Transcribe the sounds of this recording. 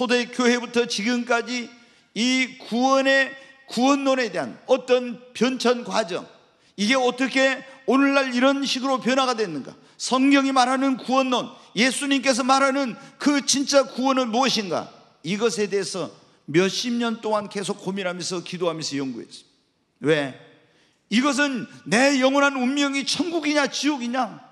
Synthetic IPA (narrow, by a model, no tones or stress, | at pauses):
sʰodek͈joɦe̞butʰʌt͡ɕiɡɯmk͈ad͡ʑiː | kuwʌne̞kuwʌnːone̞de̞ɦanʌt͈ʌnpjʌnt͡ɕʰʌnkwad͡ʑʌ̰ŋ | iɡe̞ʌt͈ʌkʰe̞onɯɭːaɭiɾʌnɕʰiɡɯɾopjʌnɦaɡadwenːɯnɡa̰ | sʰʌŋɡjʌŋimaɾɦanɯnkuwʌnːonje̞sʰuɲimk̬͈e̞s̬ʰʌmaɾɦanɯnkɯt͡ɕint͡ɕ͈akuwʌnɯnmuʌɕʰinɡa̰ | iɡʌsʰe̞de̞ːsʰʌ | mjʌɕʰimɲʌnt͈oŋanke̞s̬ʰokk͈omiɾɦamjʌns̬ʰʌkidoɦamjʌnsʰʌjʌŋɡuḛs͈ʌ̥ | we̞ | iɡʌs̬ʰɯnːe̞jʌŋwʌnɦanumːjʌŋit͡ɕʰʌŋɡuɡiɲat͡ɕioɡiɲa